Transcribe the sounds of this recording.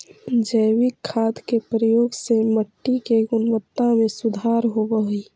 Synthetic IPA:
d͡ʒəjwɪkʰːaːd̪kepɾəjoːɡseməʈːikeɡʊnʋət̪ːamẽsʊd̪ʱaːɾɦobəɦi

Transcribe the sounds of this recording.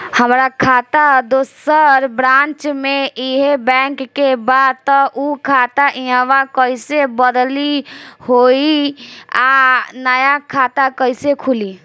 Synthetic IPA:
həmɾakʰaːt̪ad̪osəɾbɾãːnt͡ʃmẽiɦebɛ̃ːŋkːebad̪̚t̪ɔʔukʰaːt̪aʔiəʋakəisebəd̪lihoi | anəjakʰaːt̪akəɪsekʰʊli

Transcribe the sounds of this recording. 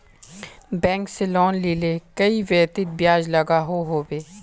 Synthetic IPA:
bɛ̃ːŋkselɔːnlilekɐiʋɛːt̪ɪt̪̚bjaːd͡ʒlɐɡaɦoɦoːbeː

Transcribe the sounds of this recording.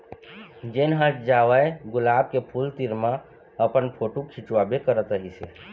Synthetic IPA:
d͡ʒenɦə̃t͡ʃd͡ʒaʋəeɡʊlaːb̚kepʰult̪iɾmã | əpənpʰoʈukʰit͡ʃwabekəɾət̪ɾəɦisḛ

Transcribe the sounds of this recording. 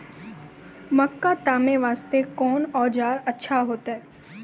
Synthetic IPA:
məkːat̪aːmeʋaːst̪ekɔːnɔːd͡ʒaːɾətːʃʰaɦoːt̪aɦɛː

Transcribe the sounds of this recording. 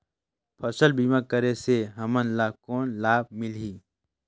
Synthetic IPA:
pʰəsəlbiːmakəɾeseɦɐmənlaːkoːnlaːb̚mɪlɦiː

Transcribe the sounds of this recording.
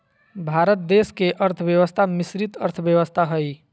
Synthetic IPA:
bʱaɾət̪̚d̪eskeʔəɾt̪ʰəbjewəst̪ʰamisɾit̪ə̰ɾt̪ʰəbjəwəst̪ʰaɦəj

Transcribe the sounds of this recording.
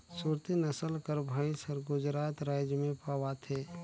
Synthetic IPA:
suɾt̪inɐsəlkəɾbʱaːĩsəɾɡʊd͡ʒɾaːt̪ɾaːjd͡ʒəmẽpaːwat̪ʰeː

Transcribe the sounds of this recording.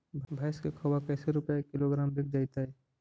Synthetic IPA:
bʱbʱaːskekʰɐwakɛːseɾʊpɛekɪloɡɾaːmbɪk̚ʰd͡ʒajt̪aɦɛː

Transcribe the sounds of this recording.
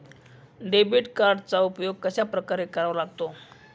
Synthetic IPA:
ɖebiʈkaɾɖt͡saupjoɡ̚kəɕapɾəkaɾekəɾaʋlaɡt̪o

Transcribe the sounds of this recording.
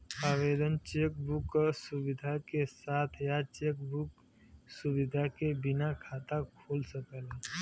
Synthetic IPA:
aːʋeːd̪ənt͡ʃeːk̚bukːəsubɪd̪ʱakesaːt̪ʰjat͡ʃeːk̚buk | subɪd̪ʱakebɪnakʰat̪akʰoːlsəkəle

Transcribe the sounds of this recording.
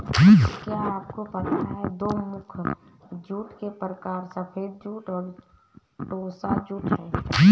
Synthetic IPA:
kjaaːp̚kopət̪aɦɛd̪oːmʊkʰ | d͡ʒuːʈkepɾəkaːɾsəpʰeːɾ̚d͡ʒuːʈɔːɾ | ʈoːsad͡ʒuːʈɦɛ

